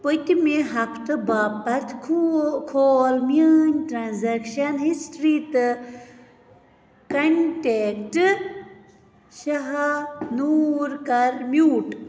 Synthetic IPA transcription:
pot̪imeɦɐkʰt̪ɨbaːpːɐɾt̪ʰkʰukʰoːlmjənʲʈɾaːnzɐkʃɐnɦisʈɾit̪ɨ | kɐnʈekʈɨ | ʃɐɦanuɾkɐɾmjuːʈ

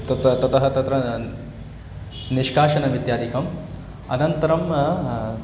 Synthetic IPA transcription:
t̪ɐt̪ɐt̪ɐt̪ɐɦɐt̪ɐt̪ɾɐ | niʂkaːʃɐnɐʋid̪jaːd̪ikɐm | ɐnɐnt̪ɐɾɐm

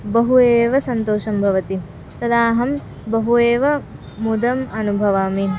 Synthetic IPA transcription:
bɐɦueːʋɐsɐnt̪oːʃɐmbʱɐʋɐt̪i | t̪ɐd̪aːɦɐm | bɐɦueːʋɐ | mud̪ɐmɐnubʱɐʋaːmi

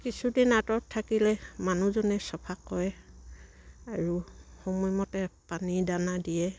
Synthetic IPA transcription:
kisudinatɔtʰːakilɛmanuzɔnɛsɔpʰakɔjɛ | aɹuxomɔjmɔtɛpanidanadijɛ

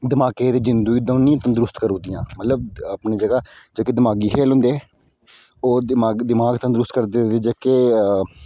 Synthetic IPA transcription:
d̪ɪmaːkeːt̪eːd͡ʒɪnd̪uːid̪ə̃ːnĩːt̪ə̃ːd̪ʊɾʊst̪kəɾõːd̪ɪjãːmət̪ləbəpneːd͡ʒəɡaːd͡ʒeːkeːd̪ɪmaːɡiːkʰeːlõʊ̃ːnd̪eː | oːd̪maːɡd̪ɪmaːɡt̪ãːd̪ɾʊst̪kəɾd̪eːt̪eːd͡ʒeːkeː

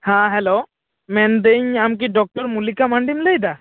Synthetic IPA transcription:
hãɦɛlo | mɛnd̪eɲamkiɖɔk̚ʈɔɾmulikamaɳɖimləjd̪a

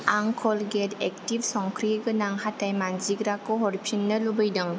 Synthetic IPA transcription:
aŋkʰɔlɡetɛk̚tibsɔŋkʰɾiɡɯnaŋhatajmanziɡɾakɔɦɔɾpʰinːɯlubɯjdɯŋ

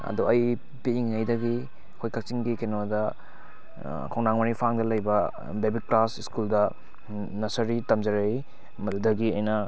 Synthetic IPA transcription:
ɐ̰duɐj | piːŋɐjdɐɡi | kʰojkak̚t͡ʃiŋɡikenodɐ | kʰawnaŋmɐnipʰaŋdɐlɐjbɐ | bebik̚plasiskuldɐ | nɐsɐɾitɐmzɐɾej | mɐdudɐɡiɐjnɐ

